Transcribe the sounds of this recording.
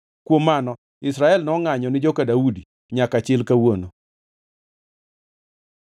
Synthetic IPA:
kwomːanɔ | ɪsɾaɛlnɔŋaɲɔnɪd͡ʒokadaudi | ɲakat͡ʃɪlkawono

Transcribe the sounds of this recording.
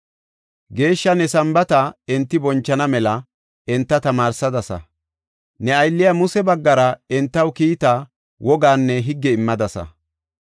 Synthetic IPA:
ɡe̞ːʃːɐnɛsɐmbɐt̪ɐɛnt̪ːɪbɔnt͡ʃːɐnɐmɛlɐ | ɛnt̪ːɐt̪ɐmaːɾsɐd̪ɐsɐ̰ | nɛɐjlːɪjamʊsɛbɐɡːɐɾɐɛnt̪ːɐwkiːt̪a | wʔɔɡaːnːɛɦɪɡːɛɪmːɐd̪ɐsɐ̰

